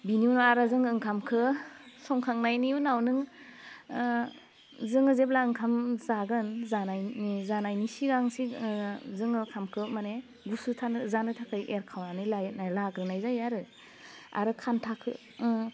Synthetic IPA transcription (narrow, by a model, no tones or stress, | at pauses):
biniunɔaɾazɯŋɯŋkʰamkʰɯsɔŋkʰaŋnajniunawnɯŋ | zɯŋɯzep̚laɯŋkʰamzaɡɯnzanajzanajnisiɡaŋsizɯŋɯkʰamkʰɯmane | ɡusutʰanɯzanɯtʰakʰɯjʔeɾkʰawanɯlajnalaɡɾɯnajzajaɾɯ | a̰ɾɯkʰantʰakʰɯ̰